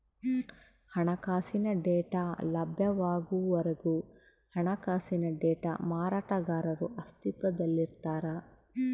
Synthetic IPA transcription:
hɐɳɐkaːsinɐɖɛːʈaːlɐbʱjɐʋaːɡuʋɐɾɐɡu | hɐɳɐkaːsinɐɖɛːʈa̰maːɾaːʈɐɡaːɾɐɾuʔɐst̪it̪ʋɐd̪ɐlːiɾt̪aːɾɐ

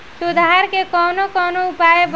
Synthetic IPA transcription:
sud̪ʱaaɾkekɔnokɔnoupaeb

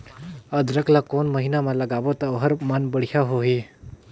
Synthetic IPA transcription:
əd̪ɾəklakonməɦinamãləɡaʋot̪aɦəɾmanbəɽ̤jaɦoɦi

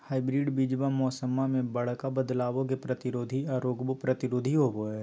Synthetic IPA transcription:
haːɪbɾiːɖbiːd͡ʒbamɔːsəmamẽbɐɽ̤kabəd̪laːʋõk̬epɾɐt̪ɪɾoːd̪ʱiaɾoːɡbopɾət̪ɪɾoːd̪ʱiɦoɡoe

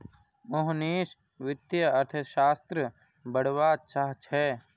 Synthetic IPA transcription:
mʊɦneːʃ | ʋɪt̪jəɐɾt̪ʰəʃaːst̪ɾə | bəɽ̤ʋaːt͡ʃaːɦt͡ʃʰɛː

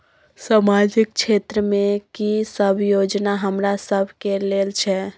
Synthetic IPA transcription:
samad͡ʒik̚t͡ʃʰet̪ɾəmekisəbʱjod͡ʒnaɦəmɾasəbʱkelelt͡ʃʰɛ

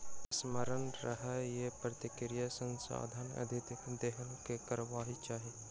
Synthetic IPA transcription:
sməɾənɾəɦɛjepɾət̪ɪkɾɪjasə̃nsa̰ːd̪ʱənə̰d̪ʱɪt̪d̪eɦəlkekəɾʋaːɦit͡ʃaːɦi

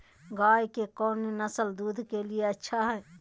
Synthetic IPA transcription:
ɡaːjkekɔːninəsəld̪uːd̪ʱkelieɐtːʃʰaɦɛː

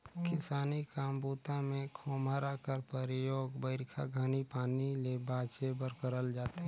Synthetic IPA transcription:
kɪsaːnikaːmbuːt̪amẽkʰoːmaɾakəɾpəɾɪjoːɡbəɪɾkʰaɡʱaːnipaːnilebaːt͡ʃebəɾkəɾəld͡ʒaːt̪eɦ

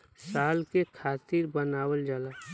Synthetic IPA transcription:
saːlkekʰaːt̪iɾbənaːwəld͡ʒaːla

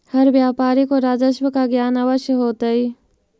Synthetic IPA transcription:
hɐɾʋjaːpaːɾikoɾaːd͡ʒəʃwəkaɡjaːnaʋəʃjəɦoːt̪aiː

